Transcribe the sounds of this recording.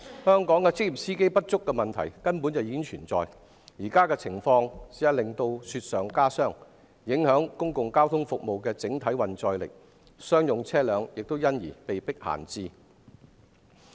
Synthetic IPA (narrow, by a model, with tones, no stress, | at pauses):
hœː˥ŋkɔː˨˥ŋkɛ˧t͡sɪ˥k̚ji˨p̚siː˥ke˥jpɐ˥t̚t͡ʃʊ˥kːɛ˧mɐ˨nt̪ʰɐ̰˨˩jkɐ˥npu˨˥nt͡sɐ˨wjiː˨ɪ˥ŋt͡ʃʰyː˨˩nt͡sɔ̰ː˨j | jiː˨˩kaː˥kɛː˧t͡sʰɪ˨˩ŋfɔː˧ŋsi˨˥jɐ˨˩lɪ˨ŋt̪o˧wsyː˧t̚sœː˨ŋkaː˥sœː˥˩ŋ | jɪ˨˥ŋhœː˨˥ŋkʊ˥ŋkʊ˨ŋkaː˥wt̪ʰʊ˥ŋfʊ˨k̚mo˨wkɛː˧t͡sɪ˨˥ŋt̪ʰɐ˨˥jwɐ˨nt͡sɔː˧jlɪ̰˨k̚ | sœː˥ŋjʊ˨ŋt͡sʰɛː˥lœː˨˧ŋjɪ˨k̚t̪o˥wjɐ˥njḭː˨˩pe˨jpɪ˥k̚ha̰ː˨˩nt͡siː˧